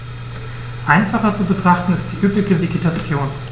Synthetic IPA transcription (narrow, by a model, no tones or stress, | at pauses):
ʔaɪnfaχɐt͡subətʁ̥aχtn̩ɪst̚d̥iːʔyplɪɡəveɡetʰat͡sjoːn